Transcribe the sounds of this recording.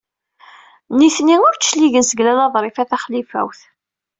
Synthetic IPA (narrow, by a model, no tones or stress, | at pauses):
niθniʊɾʃliʝənsəɡlælɑðˤɾˤifæθæχlifæ̰wθ